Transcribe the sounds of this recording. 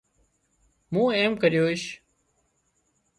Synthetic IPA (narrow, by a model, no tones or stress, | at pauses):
mũːeːmkəɾjoːɪʃ